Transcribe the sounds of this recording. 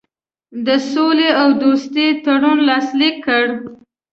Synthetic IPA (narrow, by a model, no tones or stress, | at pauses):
d̪əsoleawd̪ost̪et̪aɽunlɑslikʰːəɽ